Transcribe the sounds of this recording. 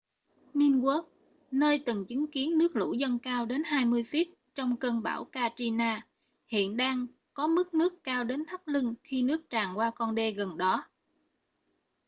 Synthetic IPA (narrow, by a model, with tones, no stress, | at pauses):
ni˧nkə˦˥k̚ | nəː˧jt̪ɨ˨˩ŋt͡ɕɨ˨˦ŋki˨˦ənːɨ˦˥ək̚lṵ˧˩zə˧nkaː˧wɗe˨˦nɦaː˧jmɨ˧əjfi˦˥t̚ | t͡ɕɔ˧wŋ͡mkə˧nɓa̰ː˧˩wkaː˧t͡ɕi˧naː˧ | hḭ˧˨ənɗaː˧ŋ | kɔ˨˦mɨ˦˥k̚nɨ˦˥əkːaː˧wɗe˨˦nt̪ʰa˦˥p̚li˧ŋxi˧nɨ˦˥ək̚t͡ɕaː˨˩ŋkwaː˧kɔ˧nɗe˧ɣə˨˩nɗɔ˨˦